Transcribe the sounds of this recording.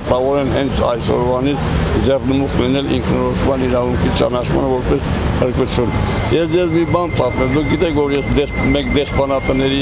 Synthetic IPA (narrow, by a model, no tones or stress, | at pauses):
ɑvɔɾɛnɦɛnt͡sʰɑ̰jsɔ̰ɾvɑnit͡sʰd͡zɛrnəmuχlinɛlḭŋkʰnɔɾɔʃmɑniɾɑvuŋkʰit͡ʃɑ̰nɑt͡ʃʰmɑ̰nəvɔɾpɛshəɾkut͡sʰjunjɛsd͡zɛzmibɑnpʰɑt̪mɛmd̪uk̚ɡit̪ɛkʰvɔɾjɛsd̪ɛmɛkd̪ɛspɑnɑt̪ənɛɾi